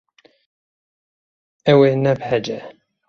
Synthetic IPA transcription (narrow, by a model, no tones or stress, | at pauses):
ɛweːnɛbhɛd͡ʒɛ